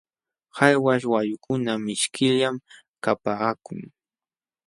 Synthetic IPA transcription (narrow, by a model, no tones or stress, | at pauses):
hajwaʃ̬wajʊkʊnamɪʃkɪʎjam | kapaːkʊ̰ŋ